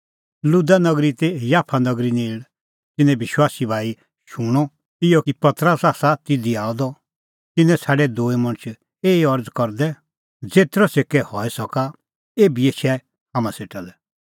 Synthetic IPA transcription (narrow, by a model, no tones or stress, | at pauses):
lud̪anɐɡɾit̪ejaːpʰanɔɡɾineːɭ | t̪ɪnɛ̃bɪʃwaːsibʱaːi | ʃuɽ̃ɔ | ɪjɔkipɐt̪ɾəsaːsat̪ɪd̪iaːɔd̪ɔ | t̪ɪnɛ̃t͡sʰaːɖɛd̪oːimɐ̃ñt͡ʃʰ | eːiɔɾd͡zkɔɾd̪ɛ | d͡zeːt̪ɾɔsekɛhɔɛsɔka | eːbieʃʰɛ | haːmãseːʈalɛ